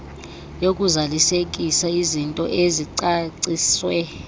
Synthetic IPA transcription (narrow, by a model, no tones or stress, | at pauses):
jokʼuzalisek̬ʼisaizintʼɔʔeziǀaǀiswɛ